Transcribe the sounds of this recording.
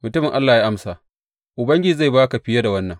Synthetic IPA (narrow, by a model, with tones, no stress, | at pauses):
mʊ˨tʊ˦mɪ˨ŋʔa˦lːaː˨ja˦ʔa˦msa˨ | ʔʊ˨bɐ˦ŋɡʲɪ˦i˨za˦˨baː˦ka˨ɸɪ˦ja˦da˨wɐ˦nːɐ˨ŋ